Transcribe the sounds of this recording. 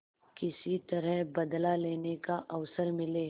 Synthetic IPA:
kɪsit̪ɐɾəɦbɐd̪laleːnekaʔɐʋsəɾmɪleː

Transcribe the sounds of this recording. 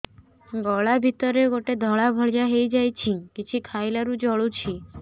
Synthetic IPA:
ɡɔɭabʱit̪ɔɾeɡoʈed̪ʱɔɭabʱɔɭd͡ʒaɦejd͡ʒajt͡ʃʰikit͡ʃʰikʰajlaɾud͡ʒɔɭut͡ʃʰi

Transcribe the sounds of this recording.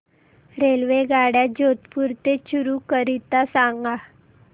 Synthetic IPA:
ɾelʋeɡaɽjad͡ʑot̪puɾt̪eɕuɾukəɾit̪asaŋɡa

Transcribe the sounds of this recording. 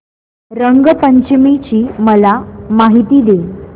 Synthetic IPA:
ɾəŋɡpəɲt͡ɕmit͡ɕiːməlamaɦit̪iːd̪e

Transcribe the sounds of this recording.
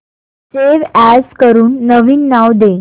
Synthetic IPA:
seʋæskəɾuːnːəʋiːnːaʋd̪e

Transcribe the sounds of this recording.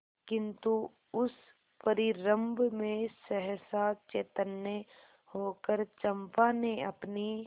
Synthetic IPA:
kɪ̃nt̪u | ʊs | pəɾɪɾə̃mbʱmẽsəɦsaːt͡ʃeːt̪ənːe | hoːkəɾt͡ʃəmpaːneɐpni

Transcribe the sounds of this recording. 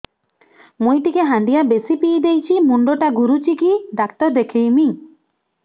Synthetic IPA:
mujʈikeɦãnd̪ijabesipiːd̪ejt͡ʃʰimuɳɖoʈaɡuɾut͡ʃikiɖakt̪ɔɾd̪ekʰejmi

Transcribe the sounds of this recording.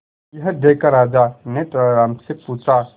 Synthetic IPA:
jɐɦd̪eːkaɾaːd͡ʒaneʈəɾaːmsepuːt͡ʃa

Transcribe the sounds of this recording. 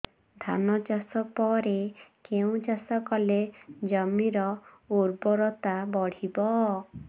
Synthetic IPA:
d̪ʱa̰nɔd͡ʒasɔpɔɾekeũd͡ʒasɔkɔled͡ʒɔmiɾɔ | uɾbɔɾɔt̪abɔɽ̤ibɔ

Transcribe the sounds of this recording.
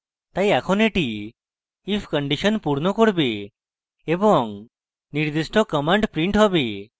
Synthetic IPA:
t̪ajakʰɔneʈiː | pʰkəɳɖisənpuɾnɔkɔɽbe | ebɔŋ | niɾd̪isʈʰɔkɔmaɳɖpɾiɳʈɦɔbe

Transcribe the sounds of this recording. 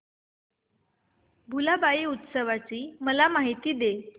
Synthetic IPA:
bʱulabaiːut̪səʋat͡ɕiːməlamaɦit̪iːd̪e

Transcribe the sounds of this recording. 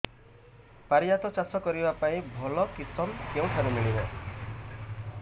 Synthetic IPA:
paɾijat̪ɔt͡ʃasɔkɔɾibapaĩbʱɔlɔkit̪ɔmkeũt̪ʰaɾumiɭina

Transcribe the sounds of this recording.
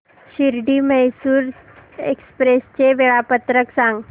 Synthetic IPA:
ɕiɾɖiːməjsuːɾ | ḛkspɾest͡ɕeʋeɭapət̪ɾəksãŋɡ

